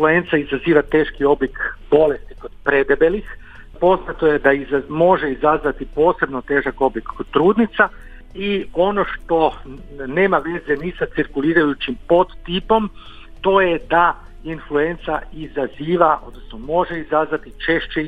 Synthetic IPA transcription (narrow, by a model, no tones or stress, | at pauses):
flue̞nt̪saizaziːʋat̪e̞ːʃkio̞blikbo̞le̞st̪iko̞d̪̥pɾe̞d̪ebe̞lix | po̞znat̪o̞jed̪aizamo̞ʒeizazʋat̪ipo̞ːse̞bnot̪e̞ːʒako̞blikot̪ɾuːd̪nit̪sa | io̞no̞ʃt̪o̞ | ne̞ːmaʋe̞zenisat̪siɾkuliːɾajut͡ʃimpo̞d̪t̪ipo̞m | t̪o̞jed̪a | influe̞nt̪saizaziːʋao̞̰d̪nosnomo̞ʒeizazʋat̪it͡ʃe̞ʃt͡ɕe